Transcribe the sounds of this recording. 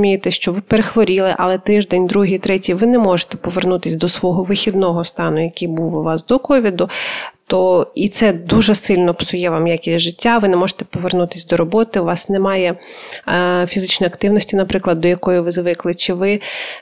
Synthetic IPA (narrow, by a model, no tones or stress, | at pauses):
mʲijet̪ɛʃt͡ʃɔʋɪpeɾexʋɔɾʲilˠɪʔɐ̰lˠɛt̪ɪʒd̪ɛnʲd̪ɾuɦijt̪ɾɛtʲiʋɪnɛmɔʒe̥t̪ɛ̥pɔʋernut̪ɪsʲd̪ɔsʋɔɦɔʋɪxʲid̪nɔɦɔst̪ɑnʊjɐkʲijbuwʋɑsd̪ɔkɔʋʲid̪ʊt̪ɔit̪sɛd̪uʒɛsɪlʲnɔpsʊjɛʋɑmjakʲisʲʒɪtʲːaʋɪnɛmɔʒe̥t̪ɛ̥pɔʋernut̪ɪ̥sʲd̪ɔɾɔbɔt̪ɪʊʋɑsnɛmɑjɛ | fʲizɪt͡ʃnɔjɐkt̪ɪwnɔsʲtʲinɐpɾɪklˠɐd̪̚ːɔjɐkɔjiʋɪzʋɪklˠɪt͡ʃɪʋɪ